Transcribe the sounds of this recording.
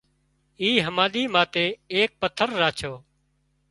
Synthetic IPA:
iːɦəmãːɗiːmaːt̪eːeːk̚pət̪ʰəɾːaːt͡ʃʰoː

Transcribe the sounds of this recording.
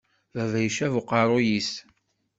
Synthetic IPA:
ðævæjʃævʊqɑɾˤʊjis

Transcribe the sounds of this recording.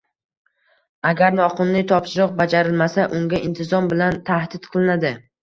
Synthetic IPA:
aɡʲaɾnɒqʊnlɪt̪ʰɒpʃɪɾɨq̚bad͡ʒaɾɪlˠmasaʔʊŋɡʲaɪnt̪ʰɪzɒmbɪlant̪ʰahd̪ɪt̪qʰɨlˠɪnad̪ɪ

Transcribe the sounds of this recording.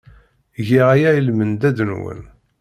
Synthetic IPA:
ʝiʁæjæjəlmənd̪æd̪ənwə̰n

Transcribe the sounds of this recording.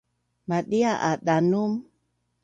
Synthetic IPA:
maɗiaʔa̰ɗanum

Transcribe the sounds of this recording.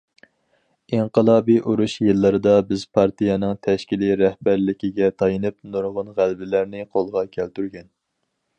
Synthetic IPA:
iɴqəlˠɑːbiʔuɾuʃjɨlˠːɨɾɨd̪ɑbɪzpʰɑɾt̪ʰijɛnɨŋt̪ʰɛʃkʲiliɾɛhbæɾlɪkʲiɡʲɛt̪ʰɑjɨnɨpnuɾʁʊnʁælbɪlæɾnɪqʰolˠʁɑkʲʰɛlt̪yɾɡʲɛn

